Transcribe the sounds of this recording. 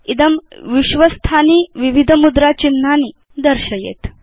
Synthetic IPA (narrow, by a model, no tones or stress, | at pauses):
id̪əmʋiɕʋəst̪ʰaniːʋiʋid̪ʱəmud̪ɾat͡ɕinːaniː | d̪əɾɕəjḛt̪